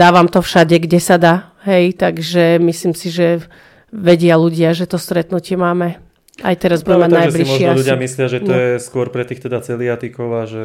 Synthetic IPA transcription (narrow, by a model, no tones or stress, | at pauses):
d̪aːʋamt̪ɔfʃaɟɛɡɟɛsad̪aː | ɦɛjt̪aɡʒɛmisliːmsiʒɛ | ʋɛɟɪaluɟɪaʒɛt̪ɔst̪ɾɛt̪nucɪɛmaːmɛ | ajt̪ɛɾazbuɟɛɛmanajblimɔʃɪɔuɟɪamislɪaʒɛt̪ɔjɛskʊɔɾpɾɛt̪iːxt̪ɛd̪at͡sɛliat̪ikɔʊaʒɛ